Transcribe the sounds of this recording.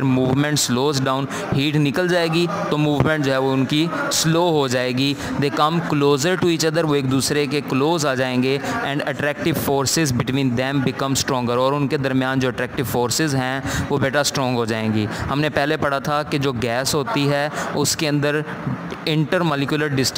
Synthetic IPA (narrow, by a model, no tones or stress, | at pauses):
əɾmuːʋmɛ̃ɳʈsloːzɖaːʊn | ɦiːʈnɪkəld͡ʒaːeːɡi | t̪omuːʋmɛ̃ɳʈ̚d͡ʒoːɦɛʋoʊnkisloːɦod͡ʒaːeːɡiː | d̪eːkəmkloːzəɾʈuit͡ʃəd̪əɾʋoːeːk̚d̪uːsɾekekloːzaːd͡ʒaːẽːŋɡeɛ̃ːɳɖəʈɾɛːk̚ʈɪʋfoːɾsɪzbɪʈʋĩːnd̪ɛmbɪkəmsʈɾɔ̃ːŋɡəɾɔːɾʊnked̪əɾmɪjaːnd͡ʒoːəʈɾɛːk̚ʈɪʋfoːɾsɪzɦɛ̃ʋoːbɛːʈʰasʈɾɔ̃ːŋɡɦoːd͡ʒaːẽːŋɡiːhɐmnepɛɦːlepɐɽ̤at̪ʰaked͡ʒoːɡɛːsɦoːt̪iɦɛːʊskeɐ̃nd̪əɾ | ɪ̃ɳʈəɾmɔːlɪkjʊləɾɖɪsʈ